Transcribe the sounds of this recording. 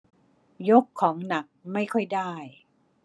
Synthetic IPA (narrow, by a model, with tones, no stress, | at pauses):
jo˦˥kʰːɔː˩˦ŋna˨˦k̚ma˥˩jkʰɔ˥˩jdaː˥˩j